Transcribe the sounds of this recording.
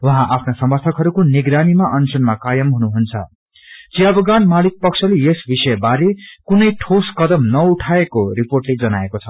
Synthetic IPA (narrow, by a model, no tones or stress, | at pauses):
wʌɦãʔapʰnasʌmbʌsʰʌkɦʌɾukoniɡɾanimaʔʌnsʌnmakajʌmɦunuɦunt͡sʰʌ̰ | t͡sijabʌɡanmalik̚pʌksʰʌlejesbisʌjbaɾekunʌjʈʰoskʌd̪ʌmnʌuʈʰaekoriporʈled͡zʌnaekot͡sʰʌ̥